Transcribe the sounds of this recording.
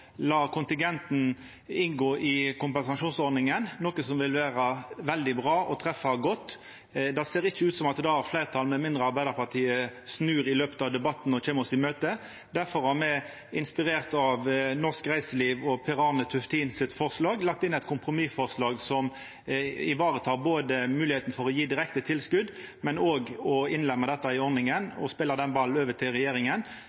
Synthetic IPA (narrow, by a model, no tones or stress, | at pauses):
lɑːkʰʊnt̪ɪŋɡɛnt̪n̩ | ɪŋɡoːʔɪkʊmpɛnsɑʃuːnsɔɾd̪nɪŋənnɔkəsɔmʋɪlʋæːɾəʋɛld̪ɪbʁɑːʔɔt̪ʰɾɛfɑɡɔt̪ː | d̪ɑseːɾɪçːəʉːt̪sɔmɑt̪d̪d̪ɑhɑʁflæɪʁt̪ʰɑlmɛmɪnd̪ʁəɑɾbæɪd̪əʁpɑʁt̪ʰiːəsnʉːɾɪløːpə̥t̪ɑʋd̪ɛbɑt̪ːn̩ɔc͡çeːmɔsɪmøːt̪ə | d̪æʁfɔɾhɑʁmɛ | ɪnspɪɾeːʁt̪ɑʋnɔʁskʁæɪsəliːʋɔpʰɛʁɑːʁnət̪ʰʉft̪ʰiːnsɪt̪fɔʁslɑːɡlɑk̚t̪ɪnæɪt̪̚kʰʊmpɾʊmifɔʁslɑːɡsɔm | ɪʋɑːʁət̪ʰɑːʁboːd̪əmʉːlɪheːt̪n̩fɔʁɔjiːd̪ɪɾɛkt̪ət̪ʰɪlskʉd̪ | mɛnoːɡɔɪnlɛmːəd̪ɛt̪ːɑɪɔɾnɪŋənɔ̰speːləʁd̪ɛnbɑl̩øːʋət̪ʰɪlʁɛjeːɾɪŋən